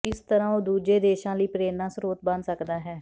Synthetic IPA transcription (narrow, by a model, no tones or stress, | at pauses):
ɪst̪əɾãːoːd̪uːd͡ʒeːd̪eːʃãːləiːpɾeːnãːsɾoːt̪̚bənsəkd̪aːɦɛː